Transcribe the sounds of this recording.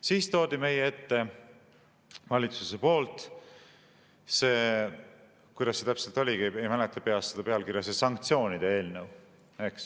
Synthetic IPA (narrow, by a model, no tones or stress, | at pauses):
siːst̪o̞ːd̪̥ime̞jee̞t̪ːe̞ | vɑlʲit̪su̥se̞po̞ːlt̪ˑ | se̞ː | kujd̪̥ɑsːe̞t̪æpse̞lt̪ˑolʲikie̞jmælet̪ːˑɑpe̞ɑst̪ːed̪ɑpe̞ɑlkiɾjɑsesɑŋk̚t̪sio̞ːnid̪̥ee̞ːlnew | e̞ks